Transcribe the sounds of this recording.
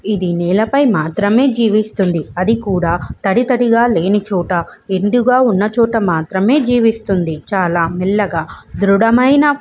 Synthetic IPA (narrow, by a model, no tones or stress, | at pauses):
id̪iniːlɐpɐjmaːt̪ɾɐme̞ːd͡ʒiːʋist̪und̪iɐd̪ikuːɽaːt̪ɐɽit̪ɐɽiɡaːle̞ːnit͡ʃuːʈɐeɳɖuɡaːunːɐt͡ʃɔːʈɐmaːt̪ɾɐme̞ːd͡ʒiːʋist̪und̪it͡ʃaːlaːmilːɐɡaːd̪ɾuɽɐmɐjnɐ